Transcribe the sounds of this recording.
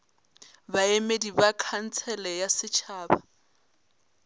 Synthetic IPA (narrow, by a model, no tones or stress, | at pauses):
baemedibakʰan̩t͡sʰɛlɛjasɪt͡ʃʰaːba